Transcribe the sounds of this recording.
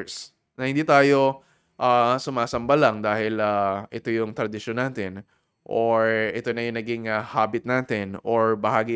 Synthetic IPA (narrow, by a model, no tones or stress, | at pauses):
s | nɐhɪnd̪iːt̪aːjo̞ | ʔasʊmaːsɐmbɐlɐŋd̪aːhɪlɐʔɪt̪o̞jʊŋt̪ɾɐd̪ɪʃonaːt̪ɪn | ʔoɹʔɪt̪o̞nɐjʊŋnɐɡɪŋɐhaːbɪt̪̚naːt̪ɪnʔoɹbɐhaːɡi